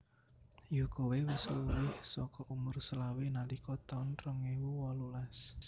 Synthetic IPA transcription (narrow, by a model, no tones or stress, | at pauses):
jukowewisluwɪhsɔkɔʔumʊrsəlawenalikɔt̪aʊnrɔŋewuwɔlulas